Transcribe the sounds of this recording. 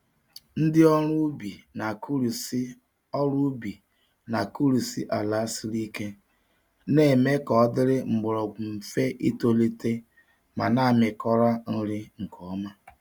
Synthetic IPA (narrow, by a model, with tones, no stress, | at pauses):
n̩˦dɪ˦ɔ˦ɾʊ˦bi˨na˨kɾ | ɔ˦ɾu˦bi˨ | na˨ku˦ɾu˨sḭ˦ʔa˨la˦si˦ɾi˦ke˦ | ne˦˨me˦kɔ˨ɔ˦dɪ˦ɾɪ˦ŋ͡m̩˨ɡ͡bʊ˨ɾɔ˨ɡ͡bm̩˨fe˦ʔi˦to˦le˦te˦ | ma̰˨na˦˨mɪ˨kɔ˦ɾa˦n̩˦ɾɪ˦ŋ̩˨kʰɔ˨˦ma˦